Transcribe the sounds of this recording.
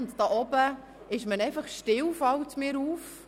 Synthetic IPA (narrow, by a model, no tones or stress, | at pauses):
ntd̥ɑːʔɔbə | ɪʃmənɛɪfɑχʃtɪwfɑwtmɪːɾuːf